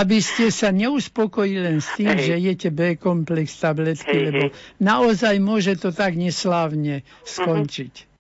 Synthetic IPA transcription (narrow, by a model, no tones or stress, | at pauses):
abiscɛsaɲɛuspɔkɔjilɛnst̪iːmʒɛijɛcɛbɛkɔmplɛkst̪ablɛt̪kilɛbɔnaɔzajmʊɔʒɛt̪ɔt̪aɡɲɛslaːwɲɛskɔnt͡ʃic